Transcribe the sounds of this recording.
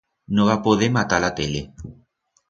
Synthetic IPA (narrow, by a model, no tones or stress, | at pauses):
nõβapoðemat̪alat̪ele